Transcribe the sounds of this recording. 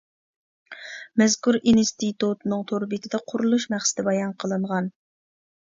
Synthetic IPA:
mɛzkuɾinst̪it̪ut̪nɨŋt̪ʰoɾbit̪ʰɪd̪ɑqʰʊɾulˠuʃmæχsɪ̥d̪̥ɪbɑjɑnqʰəlˠɨɴʁɑn

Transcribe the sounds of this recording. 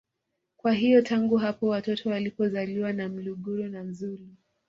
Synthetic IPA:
kwaɦijɔtaŋɡuɦapɔwatɔtʰɔwalipɔzaliwanam̩luɠuɾɔnam̩zuɾi

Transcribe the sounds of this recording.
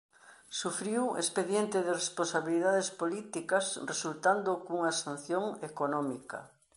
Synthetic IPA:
sufɾiwḛspeðjent̪ɪðɪrespõnsaβiliðaðespolit̪ikɐsresult̪and̪okuŋasãn̟θjoŋekonɔmikɐ̰

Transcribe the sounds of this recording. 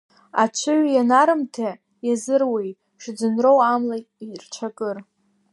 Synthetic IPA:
a̰t͡ʃʷʰɨɥjanaɾɨmtʰa | jazɨrwej | ʂd͡zɨnrowamlairt͡ʃʷʰakʼɨr

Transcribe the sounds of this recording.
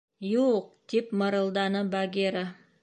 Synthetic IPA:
juq̚d̪̥ipmə̆ɾɤ̆lˠd̪ɑnəbaɡʲeɾa

